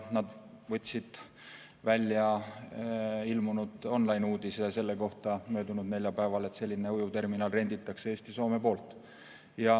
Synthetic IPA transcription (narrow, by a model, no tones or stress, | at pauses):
nɑd̪vɤt̪ʲsid̪̥ | vælʲjɑ | ilmunud̪̥o̞nlɑjnuːd̪̥isɑse̞lːe̞ko̞ht̪ɑmø̞ːd̪unud̪ne̞lʲjɑpæevɑle̞t̪se̞lʲːineujut̪e̞rminɑlre̞nd̪̥it̪ːˑɑksee̞ːst̪iso̞ːme̞po̞ːlt̪ˑ | jɑ